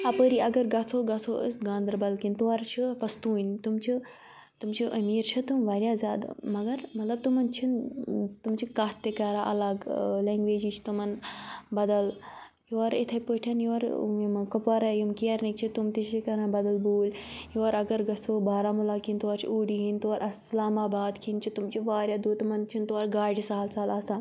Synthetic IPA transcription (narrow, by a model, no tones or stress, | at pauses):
ɐpəɾiɐɡɐɾɡɐsʰoːɡɐsʰoʔə̰st̪ɡãːnd̪ɐɾbɐlkint̪uʋaɾt͡ʃʰipɐst̪uːint̪umt͡ʃʰi | t̪umt͡ʃʰiʔɐmiːɾt͡ʃʰɐt̪umʋaːɾjaːzaːd̪̰mɐɡɐɾmɐt̪lɐb̚t̪umɐnt͡ʃʰint̪umt͡ʃʰikaːɦt̪ekaɾaʔɐ̰laɡleːŋɡʋeːd͡ʒit͡ʃʰt̪umɐnbɐd̪ɐl | jiʋɐɾet̪ʰɐjpəːʈʰɐnjiʋɐɾmkɐpaɾajimkiɐɾnikt͡ʃʰit̪umt̪it͡ʃʰikɐɾãːnbɐd̪ɐlbuːljiʋɐɾɐɡɐɾɡɐsoːbaːɾaːmulaːkint̪uʋaɾt͡ʃʰḭuːɽiɦint̪uʋaɾʔɐslaːmaːbaːd̪kʰint͡ʃʰit̪umt͡ʃʰiʋaːɾʲjaːd̪uːt̪mɐnt͡ʃʰint̪uʋaɾɡaːɖʲisaːlsaːlaːsaːn